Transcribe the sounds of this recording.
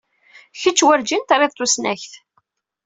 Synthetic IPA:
çət͡ʃːwæɾd͡ʒint̪ɾˤiðt̪ːˤusnæçθ

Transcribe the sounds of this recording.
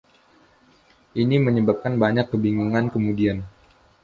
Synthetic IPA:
ʔiniməɲəbap̚kanbaɲakːəbiŋuŋankəmudian

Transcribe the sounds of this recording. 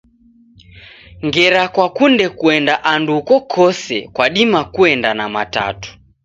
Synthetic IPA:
ŋɡɛɾakwakundɛkuɛndaʔandukɔkʰɔsɛ̰kwaɗimakuɛndanamata̰tu̥

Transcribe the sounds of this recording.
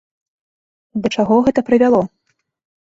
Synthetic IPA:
d̪ɐt͡ʂaɣɔɣɛt̪ɐpɾɨvʲalˠɔ

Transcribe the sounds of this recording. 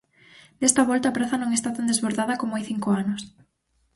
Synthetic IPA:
d̪̥est̪ɐβɔlt̪ɐaːpɾaθɐnõŋest̪at̪and̪ezβoɾðaðɐkomajθiŋkoanʊs

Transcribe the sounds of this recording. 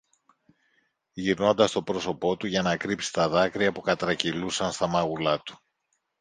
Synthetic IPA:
ʝiɾno̞nd̪ɐst̪o̞pɾo̞so̞po̞t̪uʝɐnɐkɾipsi̥st̪ɐðɐkɾiɐpukɐt̪ɾɐcilusɐnst̪ɐmɐɣulɐt̪u̥

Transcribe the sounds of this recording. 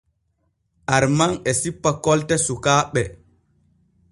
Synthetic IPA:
ʔaɾmanɛsipːakɔltɛsukaːɓɛ

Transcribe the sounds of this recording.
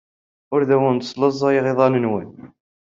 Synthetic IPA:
ʊɾðæwənsˤləzˤːɑjeʁeðˤɑnənwən

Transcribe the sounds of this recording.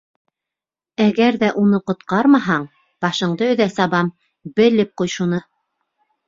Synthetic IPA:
æɡæɾðæʔunɤqŏt̪qɑɾmɑɦɑɴ | b̥ɑʃɤ̆ɴd̪ɤɵ̆ðæsɑβɑm | bɘ̆lɘp̚qujʃunɤ

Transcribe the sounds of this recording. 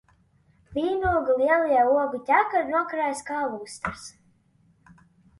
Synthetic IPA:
vʲiːnuɔɡulˠiɛlˠijɛuɔɡut̪ʲækaɾnuɔkɾaːjskaːlˠuːst̪aɾs

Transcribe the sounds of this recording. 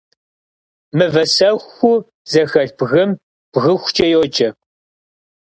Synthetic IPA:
mɨvɐsɐxʷːu | zɐxɐɮbɣɨm | b̥ɣɨxʷt͡ʃʼɐjoːt͡ʃʼɐ

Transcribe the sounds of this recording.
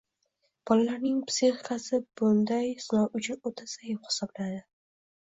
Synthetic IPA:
b̥ɒlalaɾnɪŋpsiχikasɪb̥ʊnd̪ajsɪnɒwʊt͡ʃʰɪot̪ʰasajɪphɪ̥sɒblad̪ɪ

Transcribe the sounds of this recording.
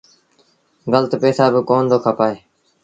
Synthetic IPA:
ɡəlt̪pɛːsaːbɪkoːnd̪oːkʰəpaːeː

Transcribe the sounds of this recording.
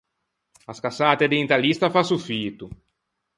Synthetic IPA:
askasaːt̪ed̪ejnt̪alist̪afasufiːt̪u

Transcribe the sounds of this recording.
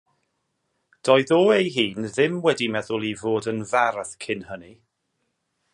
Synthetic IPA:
d̥ɔɨðoːejɦiːnðɪmwɛdimɛðʊlˠivoːdənvaɾðkʰɪnhəni

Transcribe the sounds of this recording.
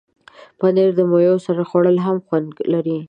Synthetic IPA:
pəneɾd̪əmojosaɾaxwaɽəlɦamxwand̪ɡlaɾi

